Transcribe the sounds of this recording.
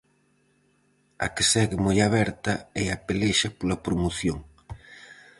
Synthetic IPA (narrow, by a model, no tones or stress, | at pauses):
ɐ̰kɪsɛɣɪmojaβɛɾt̪ɐeapeleʃɐpolɐpɾomoθjoŋ